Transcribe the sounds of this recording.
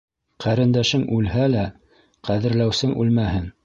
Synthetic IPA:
qʰæɾɘ̆nd̪æʃɘŋʉlhælæ | qæðɘ̆ɾlæwsɘŋʔʉ̰lmæhɘn

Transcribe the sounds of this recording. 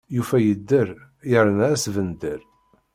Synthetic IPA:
jufæjəd̪ːəɾ | jəɾənæsvənd̪əɾ

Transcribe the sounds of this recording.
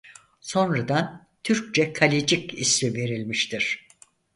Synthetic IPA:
so̞nɾad̪an | t̪ʰyɾc̚t͡ʃɛkʰalʲid͡ʒicisive̞ɾilʲmiʃt̪ʰiɾ̥

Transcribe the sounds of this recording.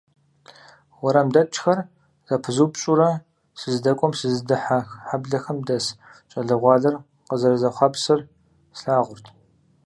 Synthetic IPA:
wɔɾɐmdɐt͡ʃʰʼxɐr | z̥ɐpʰɨzuːpɕʼuɾɐ | sɨzdɐkʷʼɔmsɨzdɨħaxħabɮɐxɐmdɐs | t͡ʃʼɐɮɨʁʷɑːɮɐr | qəzɐrɐzɐχʷɑpsɨr | sɬaːʁʷʊrtʰ

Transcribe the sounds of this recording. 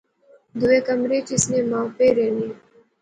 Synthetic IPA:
d̪uweːkəmɾeːt͡ɕisneːmãːpeːɾeːni

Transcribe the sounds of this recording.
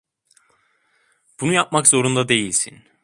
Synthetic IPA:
b̥unujap̚makz̥o̞ɾund̪ad̪e̞jilʲsin

